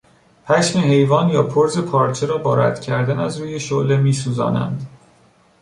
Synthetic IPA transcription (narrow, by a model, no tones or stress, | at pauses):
pʰæʃmeɦe̞jvɒːnjɒːpʰoɾze̞pʰɒːɾt͡ʃʰe̞ɾɒːbɒːɾæ̰d̪̥cʰæɾd̪ænæzɾuːje̞ʃole̞miːsuːzɒ̰ːnæ̰nd̪